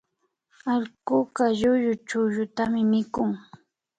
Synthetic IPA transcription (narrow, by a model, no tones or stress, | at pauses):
aʎkʊkaʎʊjʊt͡ʃʊʒʊt̪amɪmɪkʊŋ